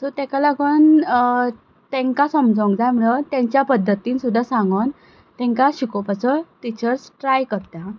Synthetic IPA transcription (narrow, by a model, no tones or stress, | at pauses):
sɔt̪ɛkalaɡən | t̪ɛ̃ŋkasəmd͡zõŋkd͡zajm̤əɭət̪aɲt͡ɕjapəd̪ʱːət̪iːnsud̪ʱːasãŋɡən | t̪ɛ̃ŋkaɕikopat͡sɔt̪it͡ɕəɾsʈɾajkəɾt̪a